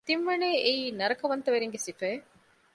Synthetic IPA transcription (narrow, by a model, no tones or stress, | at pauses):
t̪imʋɐneːʔeiːnɐɾɐkɐʋɐnt̪ɐʋeɾeŋɡesifɐː